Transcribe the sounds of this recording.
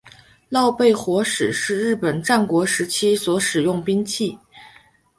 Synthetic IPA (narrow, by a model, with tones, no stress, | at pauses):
lɑ˥˧ʊpe˥˩ɪxwɔ˧˥ʂɻ̩˨˩ʂɻ̩˥˧ɻɻ̩˥˩pə˨˩nʈ͡ʂa˥˩nkwɔ˧˥ʂɻ̩˧˥t͡ɕʰi˥swɔ˧˥ʂɻ̩˨˩jʊ˥˩ŋpi˥ŋt͡ɕʰi˥˩